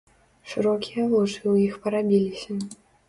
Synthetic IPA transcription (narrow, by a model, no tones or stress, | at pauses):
ʂɨɾɔkʲijɐluʐɨwjixpɐɾabʲilʲisʲɐ